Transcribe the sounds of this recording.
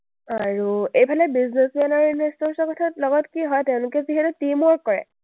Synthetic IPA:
aɹuejpʰalɔbiznesianaɹinestɔɹsɔkɔtʰatlɔɡɔtkiɦɔjtɛʊ̃lʊkɛziɦɛtutimɔɹkɔɹɛ̰

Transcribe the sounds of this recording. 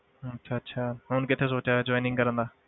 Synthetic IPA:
ətːʃʰaːətːʃʰaːɦnkɪt̪ʰːes̬oːt͡ʃaːd͡ʒɔːinɪ̃ŋɡkəɾə̃nd̪aː

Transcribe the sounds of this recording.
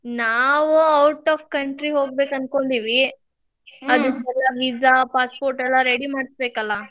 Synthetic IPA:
naːʋuɐwʈaːfkɐɳʈɾiɦoːɡ̚beːkɐnko̞ɳɖiːʋi | ɐd̪uɛlːɐʋid͡ʒapaːspoːɾʈɛlːɐɾeɽimaːɽsbeːkɐlːɐ

